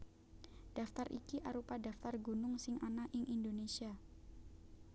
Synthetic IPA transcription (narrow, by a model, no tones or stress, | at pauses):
d̥aft̪arʔḭkiʔaɾupadaft̪arɡunʊŋsɪŋʔanaʔiŋʔindonesia